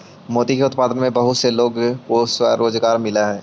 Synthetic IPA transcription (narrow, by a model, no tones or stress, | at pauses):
moːd̪ikeʊt̪̚paːd̪ənmẽbɐɦʊt̪seloːɡkoswaɾoːd͡ʒɡaːɾmɪlaɦɛː